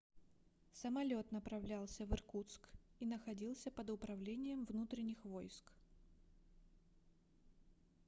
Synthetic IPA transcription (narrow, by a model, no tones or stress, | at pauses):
səmɐlʲo̞t̪nəpɾɐvlʲalˠsʲəvɨrkut̪skinəxɐdʲilˠsʲəpəd̪ʊpɾɐvlʲenʲɪjəmvnut̪ɾʲɪnʲːɪxvo̞jsk